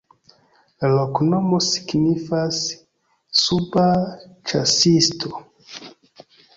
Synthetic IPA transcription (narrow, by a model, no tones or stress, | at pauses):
lalokno̞mosi̥ɡnifasː | ubat͡ʃasistʰo